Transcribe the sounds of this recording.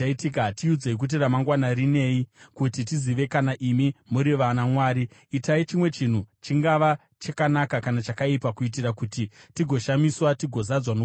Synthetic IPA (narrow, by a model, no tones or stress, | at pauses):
aitikatiud͡zeik̬ut̬iramaŋɡwanaɾine̞ːikutit̬iziʋe̞kanaʔimimuɾiʋanamwaːɾiːtait͡ʃimwe̞t͡ʃin̤ut͡ʃiŋɡaʋa | t͡ʃakanakakanat͡ʃakaipakuit̬irakutitiɡʱo̞ʃamiswatiɡʱo̞zad͡zwano